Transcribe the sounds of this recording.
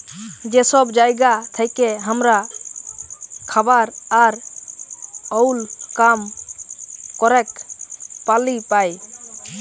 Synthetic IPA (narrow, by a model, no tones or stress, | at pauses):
d͡ʒɛsɔbd͡ʒajɡat̪ʰəjkɛɦəmɾa | kʰabaɾaɾ | ɔwlkam | kɔɾɛk | palipaj